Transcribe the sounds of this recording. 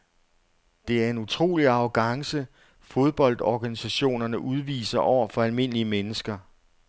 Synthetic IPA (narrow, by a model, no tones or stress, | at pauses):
d̥e̝æɐe̝nut͡sʰʁo̝̰ːliɑ̈ʊɡ̥ɑ̈ŋsə | fo̝ð̞ˠb̥ɒ̽l̰d̥ɒɡ̥ænisæɕo̝̰ːnɐnəʔuð̞ˠʋḭːsɐʔɒʊ̰ɐfɒ̽ælme̝n̰liəmenəsɡ̥ɐ